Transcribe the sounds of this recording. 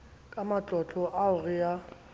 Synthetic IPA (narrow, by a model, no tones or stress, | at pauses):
kʼamat͡ɬʼɔt͡ɬʼɔʔaʊrɪja